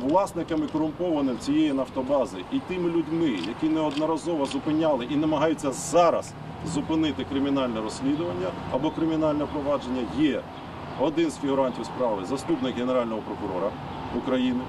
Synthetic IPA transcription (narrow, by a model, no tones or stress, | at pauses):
ʋlˠɑsnɪkɐmikɔɾʊmpɔʋɐnɪmt͡sʲijɛjinɐft̪ɔbɑzɪʔit̪ɪmɪlʲʊdʲmɪjɐkʲinɛɔd̪nɔɾɐzɔʋɔzʊpɪnʲɑlˠɪʔinɐmɐɦɑjʊt͡sʲːɐzɑɾɐs | zʊpɪnɪt̪ɪkɾɪmʲinɑlʲnɛɾɔsʲlʲid̪ʊʋɐnʲːɐɐbɔkɾɪmʲinɑlʲnɛpɾɔʋɑd͡ʒe̞nʲːɐjɛ | ɔd̪ɪnzfʲiɦʊɾɑnʲtʲiwspɾɑʋɪzɐst̪upnɪkɦeneɾɑlʲnɔɦɔpɾɔkʊɾɔ̰ɾɐ | ʊkɾɐjinɪ